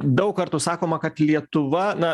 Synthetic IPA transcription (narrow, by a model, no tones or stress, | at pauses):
d̪ɐʊkkɐrt̪usɑːkoːmɐkɐt̪lʲiɛt̪ʊʋɐnɐ